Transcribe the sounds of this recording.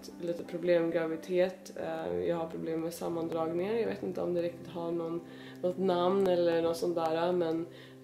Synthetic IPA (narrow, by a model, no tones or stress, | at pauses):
t̪liːt̪əpʰɾʊbleːmɡɾaʋɪt̪ʰeːt̪jæ̰ɪhɑɾpʰɾʊbleːmːmɛsɑmːand̪ɾɑːɡnɪŋənjaɪʋeːt̪ɪnt̪əɔmd̪ɛɾɪk̚t̪ɪt̪ɦɑɾɳuːn | nɔt̪nɑmnɛlːənɔt̪sɔnt̪̚d̪æːɾɑmɛn